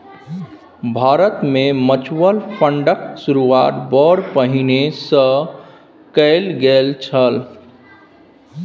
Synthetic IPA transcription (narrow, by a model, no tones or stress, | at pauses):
bʱaːɾət̪mẽmət͡ʃwəlpʰəɳɖəksuɾuaːt̪bɔɽpəɦinesə̃ | kəɪlɡelt͡ʃʰəl